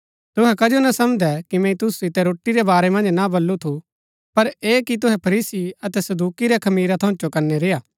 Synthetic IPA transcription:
t̪ʊɦɛkɐd͡ʒonɐsɐmd̪ɛkimɛ̃ĩt̪ʊsusɪt̪ɛɾoːʈːiɾɛbaːɾɛmɐ̃nd͡ʒnabɐlːut̪ʰu | pɐɾeːkit̪̬ʊɦɛpʰɐɾiːsiɐt̪ɛsɐd̪uːkiɾɛkʰɐmiːɾat̪ʰɐ̃ʊ̃t͡ʃokɐɾnɛɾejaː

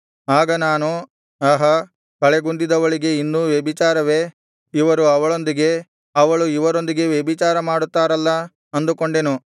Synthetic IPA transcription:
aːɡɐnaːnu | ɐːɦɐ | kɐɭeɡund̪id̪ɐʋɐɭiɡe̞inːuʋjebit͡ʃaːɾɐʋe̞ | iʋɐɾuɐʋɐɭo̞nd̪iɡe̞ | ɐʋɐɭuiʋɐɾo̞nd̪iɡe̞ʋjebit͡ʃaːɾɐmaːɽut̪ːaːɾɐlːɐ | ɐnd̪uko̞ɳɖenu

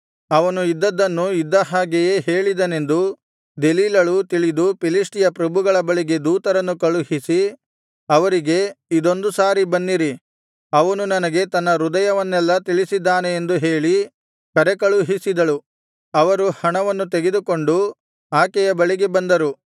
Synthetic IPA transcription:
ɐʋɐnuid̪ːɐd̪ːɐnːuid̪ːɐɦaːɡɛjeːɦe̞ːɭid̪ɐne̞nd̪u | d̪e̞liːlɐɭut̪iɭid̪upilisʈijɐpɾɐbʱuɡɐɭɐbɐɭiɡe̞d̪uːt̪ɐɾɐnːukɐɭuɦisi | ɐʋɐɾiɡe̞id̪o̞nd̪usaːɾibɐnːiɾi | ɐʋɐnunɐnɐɡe̞t̪ɐnːɐɾud̪ɐjɐʋɐnːɛlːɐt̪iɭisid̪ːaːne̞ːnd̪uɦe̞ːɭi | kɐɾekɐɭuɦisid̪ɐɭu | ɐʋɐɾuhɐɳɐʋɐnːut̪e̞ɡe̞d̪uko̞ɳɖu | aːkɛjɐbɐɭiɡe̞bɐnd̪ɐɾu

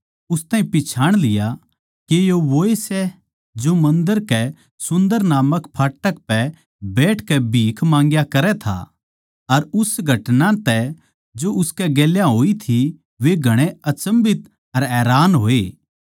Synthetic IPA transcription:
ʊst̪ãːɦĩpɪt͡ʃʰaːɽ̃lɪja | kejoʋoːesɛ | d͡ʒomɐ̃nd̪əɾkɛ | sʊ̃nd̪əɾnaːməkpʰaːʈːək̚pɛ | beːʈʰkɛbʱiːkʰmãːŋɡjakɐɾɛt̪ʰa̰ | ɐɾʊsɡʱɐʈnãt̪ɛ | d͡ʒoʔʊskɛɡeːljaɦoːit̪ʰi | ʋeɡʱɐɽ̃eɐt͡ʃəmbɪt̪ | ɐɾɛːɾaːnɦoːeː

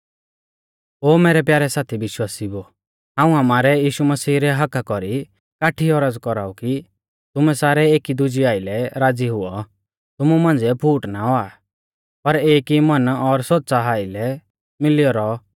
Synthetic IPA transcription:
oːmɛːɾɛpjaːɾɛsaːt̪ʰibɪʃwaːsibo | ɦãːũɦamaːɾɛjiːʃumɐsiːɾɛɦɐkakɔɾi | kaːʈʰiɔɾəd͡zkɔɾa̰ːuki | t̪ʊmɛsaːɾɛeːkid̪ʊd͡ʒiaːɪlɛɾaːd͡ziɦʊɔ | t̪ʊmumãːnd͡zɛpʰuːʈnaɔa | pɐɾeːkimɐnɔɾsɔt̪̚ːsaɦaːɪlɛ | mɪliɔɾɔ

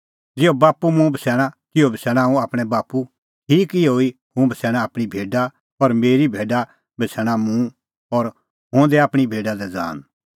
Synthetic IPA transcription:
d͡zɪobaːpumũbʱəsɛːɽ̃akɪobʱəsɛːɽ̃ãũaːpɽ̃ɛbaːpu | ʈʰiːkɪoːi | hũbʱəsɛːɽ̃aːpɽ̃ibʱeːɖa | ɔɾmeːɾibʱeːɖa | bʱəsʰɛːɽ̃amũ | ɔːɾ | ɦõːd̪ɛaːpɽ̃ibʱeːɖad̪ɛd͡za̰ːn

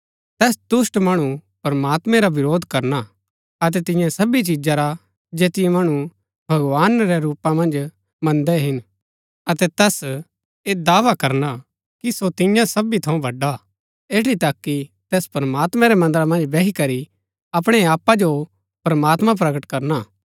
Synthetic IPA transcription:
t̪ɛːsd̪ʊsʈmɐɽ̃upɐɾmaːt̪mɛ̃ɾaʋɪɾoːd̪ʱkɐɾna | ɐt̪ɛt̪ɪ̃jãsɐbit͡ʃid͡ʒaɾa | d͡ʒeːt̪ɪjɛ̃mɐɽ̃u | bʱɐɡʋaːnɾɛɾuːpãmɐ̃nd͡ʒ | mɐ̃nd̪ɛɦɪn | ɐt̪ɛt̪ɛːs | eːd̪aːʋakɐɾna | kisot̪ɪ̃jãsɐbit̪ʰɐũbʱɐɖa | eːʈit̪ɐkːit̪ɛːspɐɾmaːt̪mɛ̃ɾɛmɐ̃nd̪əɾamɐ̃nd͡ʒbɛɦikɐɾi | ɐpɽ̃ɛaːpːad͡ʒo | pɾmaːt̪mãp̬ɾɐɡəʈkɐɾna

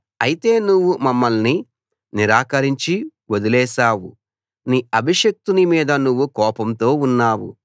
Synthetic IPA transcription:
ɐjit̪e̞ːnuʋːumɐmːɐlni | niɾaːkɐɾiɲt͡ʃiwod̪ilɛːʃaːwu | niːɐbʱiʂɐk̚t̪unimiːd̪ɐnuʋːukɔːpɐmt̪o̞ːunːaːwṵ

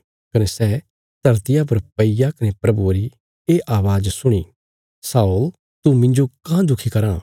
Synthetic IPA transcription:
kɐnɛsɛː | d̪̥ʱɐɾt̪ɪjap̬ɐɾpɐijakɐnepɾɐbuɾi | eːʔaːʋaːd͡ʒsʊɽ̃i | saːul | t̪umɪ̃ɲd͡ʒokãd̪ʊkʰikɐɾã

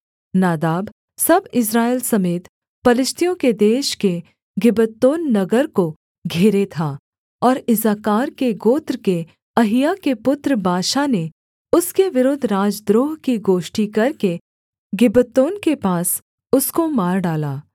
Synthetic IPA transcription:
naːd̪aːb | sɐbɪs̬ɾaːeːlsɐmeːt̪ | pɐlɪʃt̪ijõked̪eːʃke | ɡɪbət̪ːoːnːɐɡəɾko | ɡʱeːɾet̪ʰaː | ɔːɾɪzaːkaːɾkeɡoːt̪ɾke | ɐɦɪjakepʊt̪ɾəbʱaːʃane | ʊskeʋɪɾoːd̪ʱɾaːd͡ʒd̪ɾoːɦkiɡoːʃʈikɐɾke | ɡɪbət̪ːoːnkepaːs | ʊskomaːɾɖaːlaː

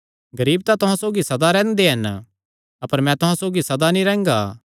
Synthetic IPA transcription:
ɡɐɾiːbt̪at̪ʊɦãsoːɡisɐd̪aɾɛ̃ːnd̪eɦɐn | ɐpəɾmɛ̃t̪ʊɦãsoːɡisɐd̪anĩɾɛ̃ːŋɡaː

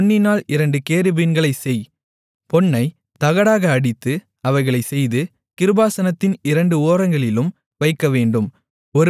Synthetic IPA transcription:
nːɪnaːɭɪɾɐɳɖɯkeːɾɪbɪnɡɐɭɐɪsɛj | pɔnːɐɪ | t̪ɐɣɐɽaːɣɐːɽɪt̪ːɯ | ɐʋɐɪɣɐɭɐɪsɛjðɯ | kɪɾɯbaːsɐnɐt̪ːɪnɪɾɐɳɖɯoːɾɐŋɡɐɭɪlɯm | ʋɐɪkːɐʋeːɳɖɯm | ɔɾ

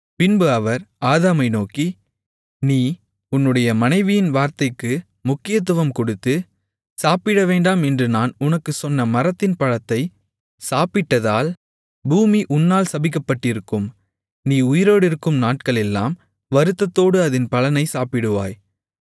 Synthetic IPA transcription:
pɪnbɯɐʋɐɾaːðaːmɐɪnoːki | niː | ʊnːɯɽɐjɐmɐnɐɪʋɪjɪnʋaːɾt̪ɐɪkːɯ | mʊkːɪjɐt̪̬ːɯʋɐmkɔɽɯt̪ːɯ | saːpɪɽɐʋeːɳɖaːmɛndrɯnaːnʊnɐkːɯsɔnːɐmɐɾɐt̪ːɪnpɐɻɐt̪ːɐɪ | saːpɪʈːɐðaːl | buːmiʔʊnːaːlsɐbɪk̬ːɐpːɐʈːɪɾɯkːɯm | niːʊjɪɾoːɽɪɾɯkːɯmnaːʈ̚kɐɭɛlːa̰ːm | ʋɐɾɯt̪ːɐt̪ːoːɽɯɐðɪnpɐlɐnɐɪsaːpɪɽɯʋa̰ːj

